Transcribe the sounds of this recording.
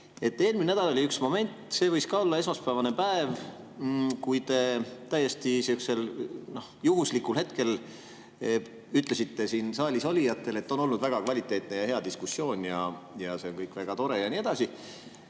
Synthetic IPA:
e̞t̪ːe̞ːlminæd̪ɑloliyksmo̞me̞nʲt̪ˑse̞ːvɤjskɑo̞lːɑe̞smɑspævɑne̞pæev | kujt̪e̞t̪æjːest̪isiukse̞lno̞hjuɦuslikːˑulhe̞t̪ke̞l | yt̪ˑle̞sit̪ːe̞sinsɑːlʲisolʲijɑt̪ːˑe̞le̞t̪ːˑo̞no̞lnud̪væɡ̥ɑkvɑlʲit̪ːˑe̞ːt̪ne̞jɑhe̞ɑd̪iskusːjo̞ːnʲjɑjɑse̞onkɤjkːˑvæɡ̥ɑt̪o̞ɾe̞jɑnie̞d̪̥ɑsi

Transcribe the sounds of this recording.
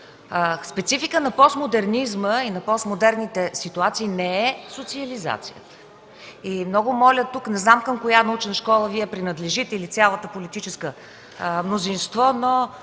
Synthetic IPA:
spɛt̪sifikənɐpɔst̪mod̪ɛɾnizməinɐpɔst̪mod̪ɛɾnit̪ɛsit̪uat̪siːnɛɛsot̪siəliza̰t̪sijə̰t̪ə̥ | imnɔɡʊmɔlʲət̪uknɛznamkəmkojanɐut͡ʃnəʃkɔlˠəviɛpɾinəd̪lɛʒit̪ɛilit̪sʲalˠət̪əpolit̪it͡ʃɛskə | mnozinst̪vɔno

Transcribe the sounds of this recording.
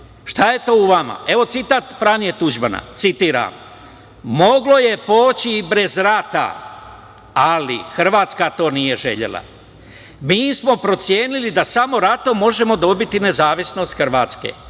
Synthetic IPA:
ʃt̪aje̞t̪o̞ːuʋama̰e̞ʋo̞t̪sit̪at̪fɾanijet̪ud͡ʒbana̰t̪sit̪iːɾa̰m | mo̞ɡlo̞je̞po̞ːt͡ɕiːbɾe̞zɾat̪a̰ | alḭxr̩ʋaːt̪skat̪o̞ːnije̞ʒe̞̰ʎḛlˠa̰ | miːsmo̞pɾo̞t̪sjeːnilid̪asamo̞ɾat̪o̞mo̞ʒe̞mo̞d̪o̞bit̪ine̞zaːʋisno̞st̪xr̩ʋaːt̪skḛː

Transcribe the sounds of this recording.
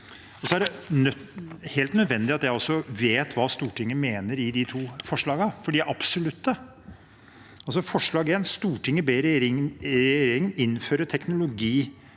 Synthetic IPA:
ɔsɔæɖɛnœheːlt̪nœd̪ʋɛnd̪ɪɑt̪jæɪɔsːɔʋeːt̪ʰʋɑːst̪uːʈʰɪŋːəmeːnəɾɪd̪ɪt̪ʰuːfɔʂɭɑːɡəfɔɖiːʔɑpsʊlʉt̪ːə | ɑls̬ɔfɔʂɭɑːɡeːnst̪uːʈɪŋːəbeːɾɾɪɾɾeːɾɪŋənɪnːføːɾət̪ʰɛknʊlʊɡiː

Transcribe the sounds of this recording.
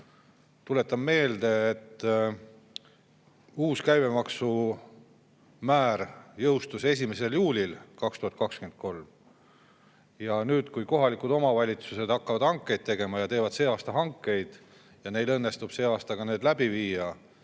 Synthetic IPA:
t̪ule̞t̪ːˑɑmme̞ːld̪e̞ːt̪ː | uːskæjme̞mɑksu | mæːɾjɤwst̪use̞s̬ʲime̞se̞ljuːlʲilkɑkst̪uhɑt̪̚ˑkɑkskymen̚ko̞lm | jɑnyːd̪̥kujko̞ɦɑlikud̪o̞mɑvɑlʲit̪suse̞d̪̥ɑkːɑvɑd̪̥hɑŋkːˑe̞jd̪̚t̪eɡ̥e̞mɑjɑt̪e̞ːvɑd̪̥se̞ːɑːst̪ɑɦɑŋkːe̞jd̪̥ | jɑne̞jlɤ̞nːe̞st̪ub̥se̞ːɑːst̪ɑɡ̥ɑne̞ːd̪læbiviːjɑ

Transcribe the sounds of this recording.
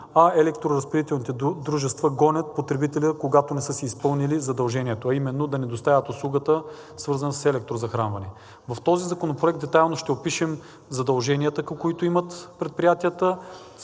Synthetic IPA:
ɐɛlɛkt̪ɾoɾɐspiɾit̪ɛlˠnit̪ɛd̪ɾuʒɛst̪vəɡɔnʲət̪̚pot̪ɾɛbit̪ɛlʲəkoɡat̪onɛsɤsiːspɤlˠnilizɐd̪ɐlˠʒɛniɛt̪oɐimɛnːod̪ɐnɛd̪ost̪avʲət̪oslˠuɡət̪ə | svɤɾzɐnssɛlɛk̚t̪ɾozɐxɾanvɐnɛ | vɐft̪ɔzizɐkonopɾoɛk̚t̪d̪ɛt̪ajlˠnoʃt̪ɛopiʃɛm | zɐd̪ɐlˠʒɛnijət̪əkɐmkoit̪oimɐt̪pɾɛt̪̚pɾijat̪iət̪ə

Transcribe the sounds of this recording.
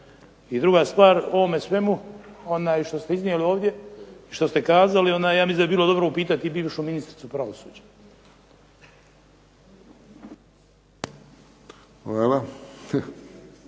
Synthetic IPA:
id̪ɾuɡast̪ʋaːɾo̞ʋo̞mesʋe̞muo̞naːjʃt̪o̞st̪eiznijelio̞ːʋd̪je̞iʃt̪o̞st̪ekaːzalio̞naːjjaːmislind̪biːlˠo̞d̪o̞bɾoupiːt̪at̪iːbiːʋʃuminist̪ɾi̥t̪supɾaʋosuːd͡ʑḁ | xʋaːla

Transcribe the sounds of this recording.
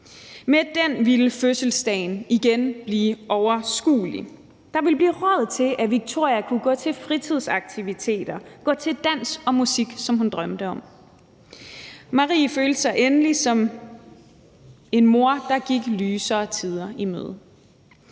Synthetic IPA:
med̥enʋiləføsəl̩sd̥ɛɪniɡ̥enb̥liːʔɒʊɐsɡ̥ṵːlḭ | d̥ɑ̈ʋe̝lb̥liːʁɶð̩ˠt͡sʰe̝lʔæʋiɡ̥̚t͡sʰo̝ɐ̰jɐkʰuɡ̥ɔ̰̽ːt͡sʰe̝lfʁit͡sʰið̞ˠsɑ̈ɡ̥̚t͡sʰiʋit͡sʰe̝̰ːd̥ɐɡ̥ɔ̰̽ːt͡sʰe̝ld̥æn̰sɒ̽musiɡ̥sɒ̽mɦund̥ʁɶmd̥əɒ̽m̰ | mɑ̈ʁḭːføːld̥əsɑ̈ɪʔenəlisɒ̽m | e̝nmo̝ɐd̥ɑ̈ɡ̥iɡ̥lyːsɐt͡sʰiðˠɐimø̰ð̞ˠ

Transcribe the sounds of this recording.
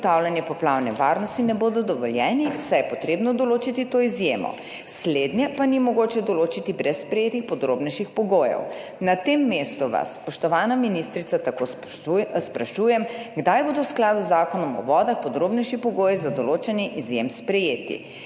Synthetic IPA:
t̪awlʲanjɛpɔplawnɛʋaɾnɔst̪inɛboːd̪ɔd̪ɔʋɔljɛːnisajɛpɔt̪ɾeːbnɔd̪ɔloːt͡ʃit̪it̪oːizjemɔ̰ | sled̪njɛpanimɔɡoːt͡ʃɛd̪ɔloːt͡ʃit̪ibɾɛsspɾɛjeːt̪ixpɔd̪ɾoːbnɛjʃixpɔɡoːjɛ̰w | nat̪emːest̪uʋa̰sːpɔʃt̪ɔʋaːnaminist̪ɾit̪sat̪ako | spɾaʃujɛmɡd̪ajbod̪ɔwsklaːd̪uzːaːkɔnɔmɔ̰ʋɔːd̪axpɔd̪ɾoːbnɛjʃipɔɡoːjizad̪ɔloːt͡ʃɛnjiʔizjemspɾɛjeːt̪ḭ

